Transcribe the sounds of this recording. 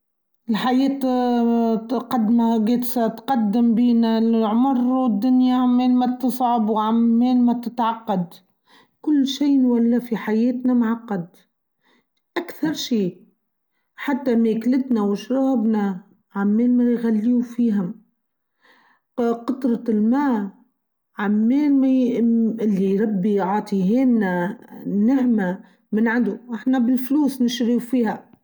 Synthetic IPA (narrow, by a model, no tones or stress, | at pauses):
ɪlħajɛːt̪ | qɑd̪maɡeːt̪st̪qɑd̪ːɪmbiːnælʕmɑɾˤwɪd̪ːʊnjaʕamːɛːlmæt̪ɨsˤʕɑbwʕamːɛːlmæt̪ɪt̪ʕɑqːɑd̪ | kʊlːʃiːnwælːæfiħajɛːt̪næmʕɑqːɑd̪ | ʔakθɑɾˤʃiː | ħat̪ːameːklɪt̪nawɪʃɾˤɑːbna | ʕamːeːlmajɣalːiːufiːɦʊm | qɑt̪ˤɾˤɑlmaː | ʕamːeːlma | ɪlːiɾˤɑbːiʕɑːt̪ˤiɦeːnːanaʕma | mɪnʕand̪uʔɪħnabɪlfluːsnɪʃɾiwfiːha